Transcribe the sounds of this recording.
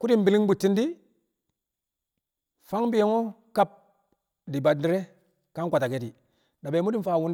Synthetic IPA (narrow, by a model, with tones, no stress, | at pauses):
ku˦di˦mbi˨li˦ŋbu˨tːi˦ndi˦ | fa˦ŋbi˦je˦ŋo˦ | ka˦p̚ | di˨ba˨di˦ɾe˦ | ka˦nkʷa˨ta˨ke˦ti˨ | da˨be˨˦mu˦di˦˨nfa˦˨wu˦n